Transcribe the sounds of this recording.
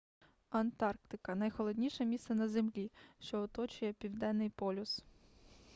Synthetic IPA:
ɐnt̪ɑrkt̪ɪkɐnɐjxɔlˠɔdʲnʲiʃɛmʲist̪ɐnɐzemlʲiʃt͡ʃɔɔt̪ɔt͡ʃʊjɛpʲiwd̪ɛnːɪjpɔlʲʊs

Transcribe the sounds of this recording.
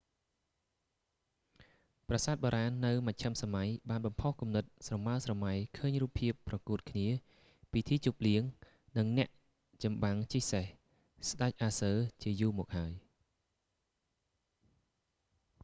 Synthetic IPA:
prɑsaːt̪̚ɓoːɾaːnːɨwmac̚t͡ɕʰəmsamajɓaːnɓɑmpʰohkumnɨt̪̚srɑmaəsrɑmajkʰəːɲruːpʰːiəpːrɑkuət̪̚kʰniə | pit̪ʰiːt͡ɕuːp̚liəŋ | nɨŋnɛ̆əʔ | t͡ɕɑmɓaŋt͡ɕiseh | sɗac̚ʔaːsəːt͡ɕiəjuːmɔːk̚haəj

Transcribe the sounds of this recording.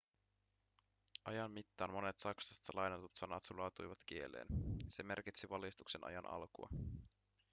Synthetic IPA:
ʔɑjɑnmit̪ːɑːnmo̞ne̞t̪sɑksɑst̪ɑlʔɑjnɑt̪ut̪sɑnɑt̪sulɑːt̪ujʋɑt̪k̟ie̞lḛːnse̞me̞rkit̪siʋɑlist̪u̥kse̞nʔɑ̰jɑnʔɑ̰lkuɑ̰

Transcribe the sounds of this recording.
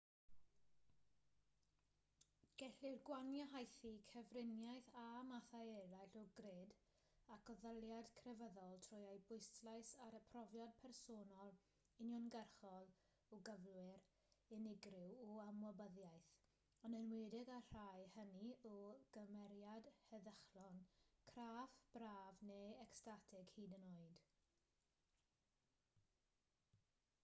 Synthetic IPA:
ɡ̥ɛɬɪrɡwanjaɦajθikʰɛvrɪnjajθamaθaelajɬɔɡreːd | akʰɔðəlˠjad̥kʰrɛvəðɔlˠtʰrɔjajbʊɨstlajsaɾəpʰrɔvjɔd̚pʰɛrsoːnɔlˠ | ɪnjɔnɡərχɔlˠ | ɔɡəvlwɪɾ | ɪnɪɡrɪwɔamwɔbəðjajθ | ɔndənweːdɪɡar̥ajhəniɔɡ̥əmɛɾjad̥hɛðəχlˠɔnkʰraːfb̥raːvneɛkstatʰɪɡhiːdənoːɨd̥

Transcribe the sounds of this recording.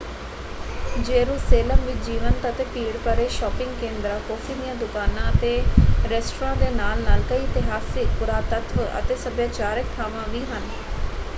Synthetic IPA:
d͡ʒeːɾuːseːləmʋɪt͡ʃd͡ʒiːʋənt̪ət̪eːpiːɽpəɾeːʃɔːpɪ̃ŋɡkẽːnd̪ɾaːkoːfʰiːd̪ɪijãːd̪ʊkaːnãːət̪eːɾɛːsʈoɾãːd̪eːnaːlnaːlkəiːɪt̪ɪɦaːsɪk̚pʊɾaːt̪ət̪ʰʋə̰t̪eːsəbjaːt͡ʃaːɾək̚t̪ʰaːʋãːʋiːɦən

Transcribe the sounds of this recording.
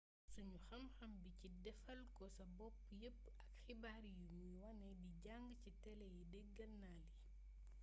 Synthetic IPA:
suɲuxɐmxɐmbicidɛfɐlkɔsɐbɔpːjəpː | ɐkxibaːɾjumiwɐnɛbiɟaŋɡcitɛlɛjideɡːɐnaːli

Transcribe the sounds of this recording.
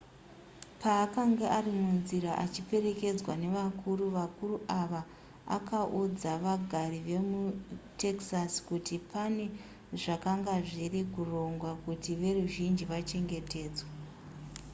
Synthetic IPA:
paːkaŋɡeʔarimunziɾaʔat͡ʃipe̞re̞ke̞d͡zwane̞ʋakʰuruʋakuruʔaʋa | a̰kaʔud͡zaʋaɡʱariʋe̞mute̞ksaskutipane̞ | ʐakaŋɡaʐirikuro̞ŋɡwakutiʋe̞ruʒind͡ʒiʋat͡ʃe̞ŋɡe̞te̞ːd͡zwa

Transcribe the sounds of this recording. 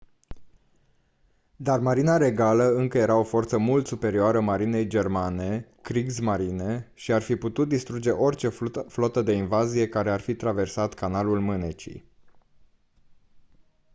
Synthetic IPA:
d̪armaɾinaɾe̞ɡaləɨŋkəje̞ɾao̞fo̞rt̪səmult̪supe̞ɾioaɾəmaɾine̞jd͡ʒe̞rmane̞kɾiɡzmaɾine̞ʃiarfiput̪ut̪̚d̪ist̪ɾud͡ʒe̞ʔo̞rt͡ʃe̞flot̪əd̪e̞invazije̞kaɾe̞arfit̪ɾave̞rsat̪kʰanalulmɨnet͡ʃḭj

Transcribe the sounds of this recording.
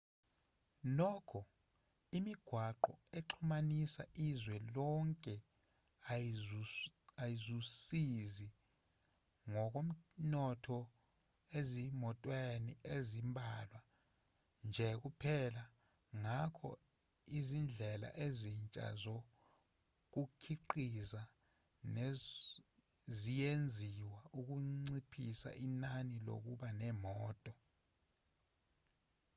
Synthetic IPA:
nɔkʰɔ | imiɡ̥ʱwaǃɔ̰eǃʰumanisa̰ʔizwɛlɔŋkʼɛ | a | ajizusizi | ŋɔk̬om̩nɔtʰɔ | ezimɔtʼweniʔezimbʱalwa | nd͡ʒʱɛk̬upʰɛla | ŋakʰɔ̰ | izind͡ɮʱɛla̰ʔezint͡ʃʼa̰zo | k̬ukʰiǃiza | ne | zijend͡zʱiwaʔuk̬uŋ͡ǀipʰisa̰ʔinanilo̰k̬uɓanɛmɔːtʼɔ

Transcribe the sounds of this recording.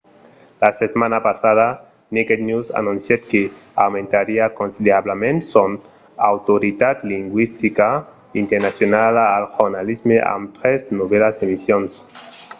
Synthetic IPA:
laset̪manapasaða | niket̪njuza̰nunsjat̪keawmẽnt̪aɾiakonsiðeɾaβlamẽnson | awt̪oɾit̪at̪liŋɡwist̪ika | int̪eɾnasjonalaːlxoɾnalizmeʔa̰mt̪ɾɛznuβɛlazemisjons

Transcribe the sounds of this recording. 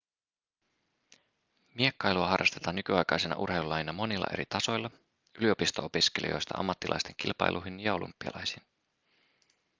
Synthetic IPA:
mie̞kːɑjluɑɦɑrːɑst̪e̞t̪ɑnːykyɑjkɑjsenɑ̰ʔṵrɦe̞jlulɑjinɑmo̞nilːʔɑ̰ʔe̞̰ɾḭt̪ɑso̞jlːɑ | ylio̞pist̪o̞opiske̞lḭjo̞̰jst̪ɑʔɑ̰mːɑt̪ːilʔɑ̰jst̪e̞ŋk̟ḭlpɑ̰j̰lʔuɦinjɑolṵmpːˑiɑ̰lɑjsin

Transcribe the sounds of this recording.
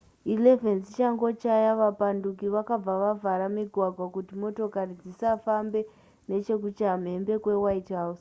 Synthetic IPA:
ile̞ve̞nsit͡ʃaŋɡo̞t͡ʃajaʋapandukiʋakab͡vaʋavʱaɾamiɡʱwaɡʱwakutimo̞to̞karid͡zisafambe̞ | ne̞t͡ʃe̞k̬ut͡ʃamɦe̞mbe̞kwe̞waitɦaws

